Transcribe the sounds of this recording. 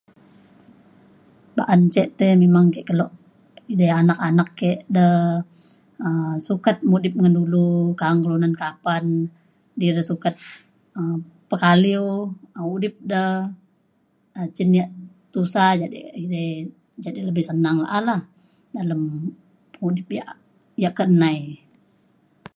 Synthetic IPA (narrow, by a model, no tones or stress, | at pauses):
baʔant͡ʃɛʔt̪ɛmemaŋkɛʔkəlɔʔ | idɛanakanakːɛʔdəh | əsukat̪̚mudɪp̚ŋəndulukaŋkəlunankapan | diɾisukat̪̚ | ə | pəkaliwəudɪp̚dəh | ət͡ʃinjaʔ | t̪usad͡ʒadḭidə | d͡ʒadiləbɪhsənaŋla̰ʔalah | daləm | əŋudɪp̚ja̰ʔ | jaʔkəənaj